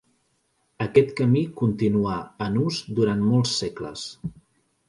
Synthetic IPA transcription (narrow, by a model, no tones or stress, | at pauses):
əkɛt̪kəmikunt̪inuaənuzd̪uɾanmɔlˠsːɛklə̰s